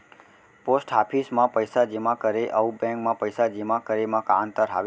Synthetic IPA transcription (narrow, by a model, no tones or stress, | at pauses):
posʈapʰismãpəjsad͡ʒemãkəɾeʔəubɛ̃ŋkmãpəjsad͡ʒimãkəɾemãkant̪əɾɦa̰ʋ